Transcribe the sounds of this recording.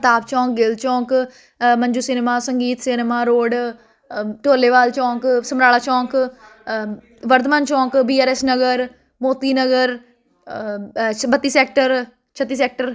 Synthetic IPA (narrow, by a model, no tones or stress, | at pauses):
t̪aːp̚t͡ʃɔ̃ːk̚ɡɪlt͡ʃɔ̃ːk | məɲd͡ʒuːsɪnmaːsəŋɡiːt̪sɪnmaːɾoːɖ | ʈoːleːʋaːlt͡ʃɔ̃ːksəmɾaːɭaːt͡ʃɔ̃ːk | ʋəɾt̪maːnt͡ʃɔ̃ːkbiːaːɾɛːsnəɡəɾ | moːt̪iːnəɡəɾ | bət̪ːiːsɛːkʈəɾ | t͡ʃʰət̪ːiːsɛːk̚ʈəɾ